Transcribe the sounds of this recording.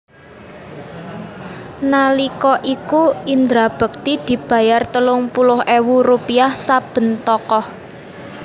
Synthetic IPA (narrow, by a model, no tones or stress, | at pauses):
nalikɔʔikuind̪ɾab̥ə̤k̚t̪id̪̥i̤b̥a̤jart̪əlʊŋpulʊhʔewurupiahsab̥ə̤nt̪ɔkɔh